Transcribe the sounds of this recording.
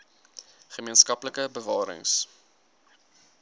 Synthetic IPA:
χəmiənskɐpləkəbəvɑːɾə̰ŋs

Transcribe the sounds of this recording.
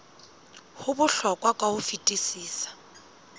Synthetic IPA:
hʊbʊɬɔkʼwakʼwahʊfitʼisiːsḁ

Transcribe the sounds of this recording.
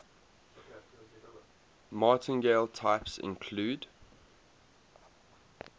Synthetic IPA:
mɑˑtɪ̃nɡeɪlˠtʰaɪpsɪ̰̃nkʰluːd

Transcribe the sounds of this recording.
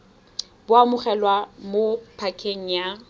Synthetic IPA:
bʊamʊχɛlwamopʰakʰeŋ̩ja

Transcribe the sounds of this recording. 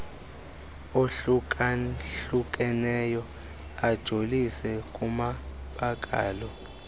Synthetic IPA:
oɬukʼaɬuk̬ʼɛnɛjɔ | ad̥ʒ̥ʱolisɛkʼumaɓakʼa̰ːlɔ

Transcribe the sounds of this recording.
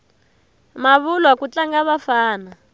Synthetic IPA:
maβulwakut͡ɬaŋɡaβafaːna

